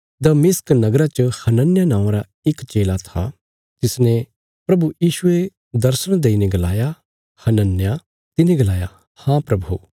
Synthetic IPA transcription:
d̪ɐmɪsknɐɡɾat͡ʃɐhɐnənjanãːãɾa | ɪkt͡ʃeːlat̪ʰa̰ | t̪ɪsnẽ | pɾɐbujiːʃʊe | d̪ɐɾsəɽ̃d̪eːineɡɐla̰ːja | hɐnənja | t̪ɪneɡɐlaːja | hãpɾɐbʱu

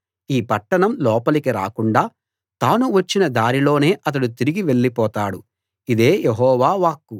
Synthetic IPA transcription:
iːpɐʈːɐɳɐmlɔːpɐlikiɾa̰ːkuɳɖaː | t̪aːnuʋɐt͡ʃːinɐd̪aːɾilo̞ːne̞ːʔɐt̪̬ɐɽut̪iɾiɡiʋe̞ɭːipɔːt̪aːɽu | id̪e̞ːjeɦɔːʋaːʋaːkːu

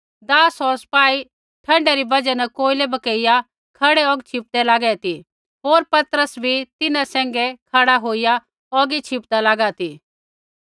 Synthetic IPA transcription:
d̪aːsɔspaːi | ʈʰɐ̃ɳɖɛɾibɐd͡ʒanɛkoːilebɐkəɪja | kʰɐɽɛɔɡt͡ʃʰɪp̚d̪ɛlaːɡɛt̪i | ɦoːɾpɐt̪ɾəsbʱit̪ɪnãsɛ̃ːŋ̆ɡɛkʰɐɽaɦoːija | ɔɡit͡ʃʰɪp̚d̪alaːɡat̪ʰiː

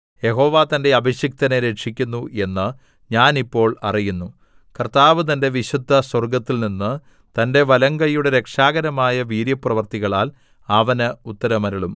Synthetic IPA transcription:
je̞ɦo̞ːʋaːt̪ɐnde̞ɐbʱiɕjɐk̚t̪ɐneɾeʈʂikʲːunːuʔe̞nːɨ | ɲaːnipːo̞ːɭɐ̰rijunːu | kɐrt̪aːʋɨt̪̬ɐnde̞ʋiɕud̪ʱːɐswɐrɡɐt̪ːilninːɨ | t̪ɐnde̞ʋɐlɐŋɡɐjuɽe̞ɾe̞kʂaːɡɐɾɐmaːjɐʋiːɾjɐprɐʋɐrt̪iɣɐɭaːl | ɐʋɐnɨut̪ːɐɾɐmɐɾiɭum

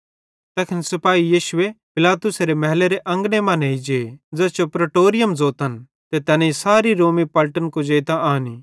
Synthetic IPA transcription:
t̪ɛkʰɪnsɐpaːɦijiːʃʊepɪlaːt̪ʊseɾemɛɦleɾeʔɐ̃ŋɡnemɐ̃neid͡ʒed͡ʒɛt͡ʃopɾɐʈoːɾɪjəmzoːt̪ən | t̪et̪ɛːnẽisaːɾiɾoːmipɐlʈənkod͡ʒeːt̪aʔaːni

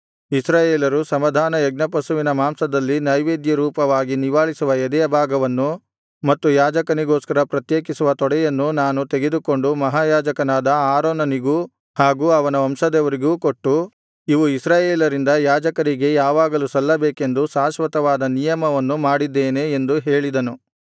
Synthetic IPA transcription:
isɾaːjeːlɐɾusɐmɐd̪ʱaːnɐɛɡnɐpɐsuʋinɐmaːmsɐd̪ɐlːinɐjʋeːd̪jɐɾuːpɐʋaːɡiniʋaːɭisuʋɐjɛd̪ɛjɐbʱaːɡɐʋɐnːu | mɐt̪ːujaːd͡ʒɐkɐniɡoːskɐɾɐpɾɐt̪jeːkisuʋɐt̪ɔɽɛjɐnːunaːnut̪e̞ɡe̞d̪uko̞ɳɖumɐɦaːjaːd͡ʒɐkɐnaːd̪ɐaːɾoːnɐniɡuː | haːɡuːɐʋɐnɐɐmʃɐd̪ɛʋɐɾiɡuːkoʈːu | iʋuisɾaːjeːlɐɾind̪ɐjaːd͡ʒɐkɐɾiɡe̞jaːʋaːɡɐlusɐlːɐbeːke̞nd̪usaːʃʋɐt̪ɐʋaːd̪ɐnijɐmɐʋɐnːumaːɽid̪ːeːne̞ːnd̪uɦe̞ːɭid̪ɐnu

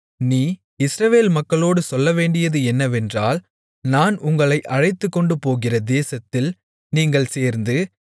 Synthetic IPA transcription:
niː | ɪsɾɐʋeːlmɐkːɐɭoːɽɯsɔlːɐʋeːɳɖɪjɐðɯɛnːɐʋɛndraːl | naːnʊŋɡɐɭɐɪʔɐɻɐɪt̪ːɯkːɔɳɖɯpoːɣɪrɐd̪eːsɐt̪ːɪl | niːŋɡɐɭseːɾnd̪ɯ

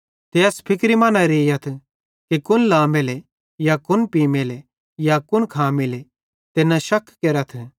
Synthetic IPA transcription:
t̪eɐspʰɪkɾimɐnãɾeːjɐt̪ʰ | kikʊnlaːmele | jakʊnpiːmele | jakʊnkʰaːmɪle | t̪enɐ̃ʃɐkʰkeːɾɐt̪ʰ

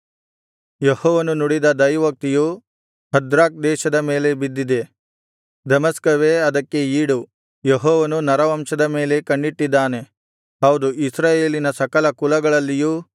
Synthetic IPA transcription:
jehɔːʋɐnunuɽid̪ɐd̪ɐjʋɐk̚t̪iju | hɐd̪ɾaːk̚d̪ɛːʃɐd̪ɐme̞ːle̞bid̪ːid̪e̞ | d̪ɐmɐskɐʋeɐd̪ɐkːe̞iːɽu | jeɦɔːʋɐnunɐɾɐʋɐmʃɐd̪ɐme̞ːle̞kɐɳɖiʈːid̪ːaːne̞ | ɦɐwd̪uisɾaːjeːlinɐsɐkɐlɐkulɐɡɐɭɐlːijuː

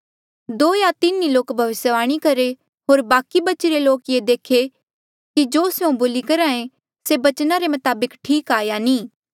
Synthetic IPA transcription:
d̪oːjat̪ɪniloːkbʱɐʋɪsjəʋaːɽ̃ikɐɾe | ɦoːɾbaːkibɐt͡ʃiɾeloːkjed̪eːkʰe | kid͡ʒoːseũboːlikɐɾãːẽ | sebɐt͡ʃnaɾemɐt̪aːbəkʈʰiːkaːjanĩː

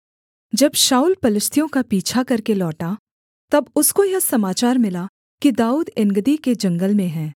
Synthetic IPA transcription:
d͡ʒɐbʃaːuːlpɐlɪʃt̪ʰijõkapiːt͡ʃʰakɐɾkelɔːʈa | t̪ɐbʊskojɐsɐmaːt͡ʃaːɾmɪla | kid̪aːuːd̪ɪ̃ŋɡəd̪iked͡ʒɐ̃ŋɡəlmẽɦɛ̃ː

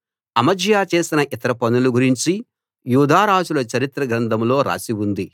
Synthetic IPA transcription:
ɐmɐd͡ʒjaːt͡ʃe̞ːsinɐʔit̪ɐɾɐpɐnuluɡuɾiɲt͡ʃi | juːd̪ʱaːɾaːd͡ʒulɐt͡ʃɐɾit̪ɾɐɡɾɐnd̪ɐmlo̞ːɾa̰ːsiwund̪i

